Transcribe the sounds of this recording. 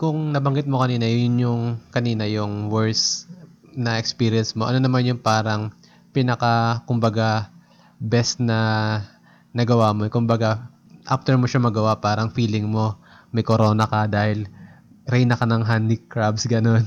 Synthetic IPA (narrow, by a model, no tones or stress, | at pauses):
kʊŋnɐbɐŋɡɪt̪̚mo̞kɐniːnɐjʊnjʊŋkɐniːnɐjʊŋwɛɹs | nɐʔɛkspiːɾɪjɛnsmo̞ʔɐ̰no̞nɐmanjʊŋpaːɾɐŋ | pɪnɐkɐkʊmbɐɡa | bɛst̪nɐ | nɐɡɐwamokʊmbɐɡa | ʔaft̪ɛɹmoʃamɐɡɐwapaːɾɐŋfiːlɪŋmo̞ | mɐjkoɾo̞ːnɐkɐd̪aːhɪl | ɾɛjnɐkɐnɐŋɦanɪkɹabsɡɐno̞n